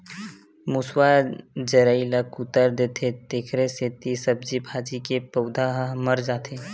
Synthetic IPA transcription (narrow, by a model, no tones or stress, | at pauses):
mʊswad͡ʒəɾəɪləkʊt̪əɾd̪et̪ʰet̪ekʰɾeset̪isəbd͡ʒibʱaːd͡ʒikepəʊd̪ʱaɦməɾd͡ʒaːt̪ʰeː